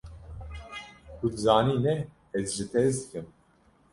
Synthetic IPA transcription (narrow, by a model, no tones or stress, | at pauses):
kud̪ɨzaːniːnɛ | ɛzʒɨt̪ʰɛzd̪ɨkɨm